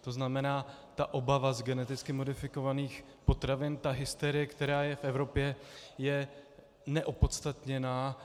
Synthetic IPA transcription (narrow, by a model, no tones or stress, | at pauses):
t̪o̞znamɛnaː | t̪aʔo̞bavazɡɛnɛt̪ɪt͡skɪmo̞dɪfɪko̞vaniːx | po̞t̪ɾavɪnt̪aɦɪst̪ɛɾɪjɛkt̪ɛɾaːjɛfʔɛvɾo̞pjɛjɛ | nɛʔopo̞t̪st̪at̪ɲɛnaː